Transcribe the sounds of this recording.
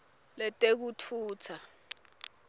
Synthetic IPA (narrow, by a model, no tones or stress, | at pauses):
lɛtʼek̬ut͡fʰuːt͡sʰa